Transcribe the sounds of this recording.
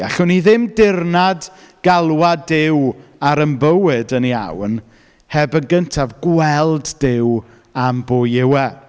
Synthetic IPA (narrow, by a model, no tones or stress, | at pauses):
aɬʊniðɪmdɪrnad | ɡ̥alˠwadɪwaɾəmbəwɨdənia̰wn | hɛbənɡəntʰavɡwɛlˠddɪw | amboːjɪwɛ